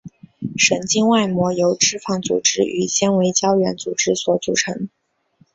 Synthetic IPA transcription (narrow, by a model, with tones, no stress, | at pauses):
ʂə˨˩ŋt͡ɕi˥ŋwa˥˩ɪmwɔ˧˥jo˧˥ʊʈ͡ʂɻ̩˥fɑ˥˩ŋt͡sṵ˨˩ʈ͡ʂɻ̩˥ʔy̰˨˩ɕjɛ˥nwe˧˥ɪt͡ɕjɑ˥ʊɥɛ˧˥nt͡su˨˩ʈ͡ʂɻ̩˥swɔ˧˥t͡sṵ˨˩ʈ͡ʂʰɤ˧˥ŋ